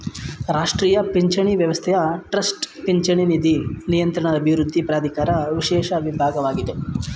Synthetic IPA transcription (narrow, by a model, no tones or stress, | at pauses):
ɾaːʂʈɾiːjɐpeɲt͡ʃɐɳiʋjɐʋɐst̪ʰɛjɐʈɾɐsʈpeɲt͡ʃɐɳinid̪inijɐnt̪ɾɐɳɐɐbʱiʋɾud̪ʱːipɾaːd̪ʱikaːɾɐʋiʃɛːʃɐʋibʱaːɡɐʋaːɡid̪e